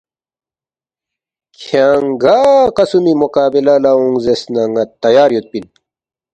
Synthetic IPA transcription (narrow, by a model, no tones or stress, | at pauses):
kʰaŋɡaqɐsumimukaːbilɐlauŋzesnɐŋɐt̪ːɐjaːɾjut̪̚pil